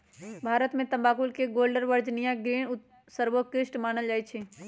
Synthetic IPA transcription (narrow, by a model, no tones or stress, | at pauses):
bʱaːɾət̪mẽt̪ɐ̃mbaːkulkeɡoːlɖəɾʋəɾd͡ʒnijãɡɾiːɳ̃ʊ | səɾʋəkɾɪʃʈmaːnəld͡ʒaːjt͡ʃʰe